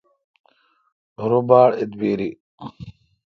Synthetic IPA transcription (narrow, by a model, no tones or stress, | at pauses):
ɾubaːɽit̪biɾi